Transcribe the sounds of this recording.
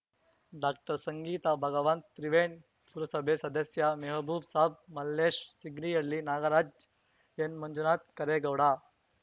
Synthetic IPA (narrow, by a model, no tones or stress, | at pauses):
ɖak̚ʈəɾsəŋɡiːt̪abʱɐɡəʋant̪t̪ɾiʋeɳ | puɾəsəbʱesɐd̪əsjameɦəbʱuːbsab̚mɐlːeɕsiɡnijeɽliːnaɡaɾad͡ʑ | enmənd͡ʒunat̪kɐɾeɡəʋɽa